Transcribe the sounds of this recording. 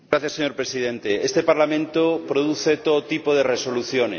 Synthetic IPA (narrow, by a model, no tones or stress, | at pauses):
ɾaθjaseɲo̞ɾpɾesið̞ẽnt̪eest̪epaɾlamẽnt̪opɾoðuθet̪oðot̪ipoð̞ereso̞luθjone